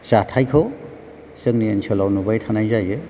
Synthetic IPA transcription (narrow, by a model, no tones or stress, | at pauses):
satʰajkʰɔ | sɯŋniansʰɔlawnubajtʰanajzajɯ